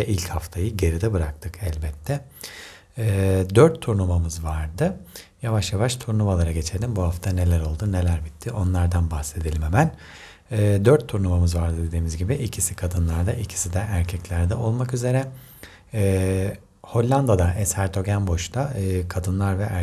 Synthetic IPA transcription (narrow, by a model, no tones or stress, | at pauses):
ɛʔilʲchaft̪ʰajɯɟe̞ɾid̪ɛbɯɾak̚t̪ʰɯkɛlʲbɛt̪ʰːɛ | ɛːd̪øɾt̪ʰːuɾnumamɯzvaɾd̪ɯjavaʃjavaʃt̪ʰuɾnumalˠaɾaɟe̞t͡ʃʰelʲimbuhaft̪ʰanelʲæɾo̞lˠd̪une̞lʲæɾbit̪ʰːiʔo̞nlˠaɾd̪anbaxse̞d̪elʲimɦemæn | ɛːd̪øɾt̪ʰːuɾnumamɯzvaɾd̪ɯd̪e̞d̪iːmizɟibiʔicʰisikʰad̪ɯnlˠaɾd̪aʔicʰi̥sid̪ɛʔæɾcʰɛclʲæɾd̪ɛʔo̞lˠmakyze̞ɾɛː | ho̞lʲːand̪ad̪aʔɛshæɾt̪ʰo̞ɟænbo̞ʃt̪ʰaɯːkʰad̪ɯnlˠaɾvɛʔæ